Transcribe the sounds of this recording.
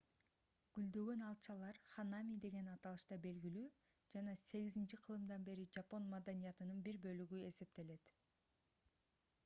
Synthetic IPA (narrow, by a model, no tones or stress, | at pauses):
ɡ̥yld̪ø̞ɡø̞nɑlˠt͡ʃɑlˠɑɾχanamʲid̪e̞ɡe̞nɑt̪ɑlˠɯʃt̪ɑbe̞lɡilyː | d͡ʒɑnɑse̞ɡizint͡ʃiqʰɯlˠɯmd̪ɑnbe̞ɾid͡ʒapo̞nmad̪anijɑt̪ɯnɯnbiɾbø̞lyɡye̞se̞p̚t̪e̞le̞t̪